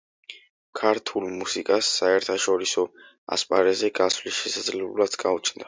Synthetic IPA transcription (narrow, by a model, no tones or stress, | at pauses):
kʰaɾt̪ʰulˠmusikʼasːaɛɾt̪ʰaʃɔɾisɔ | a̰spʼaɾɛzɛɡasvlisʃɛsad̪zlɛblˠad̪ɡaut͡ʃʰnd̪a